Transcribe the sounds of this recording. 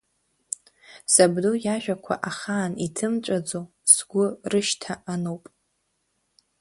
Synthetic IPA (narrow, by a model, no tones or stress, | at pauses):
sabdojaʒᶣakʷʰa̰ʔaχaːnitʰɨmt͡ʃʷʼad͡zo | sɡʷʊrɨʃtʰaanowpʼ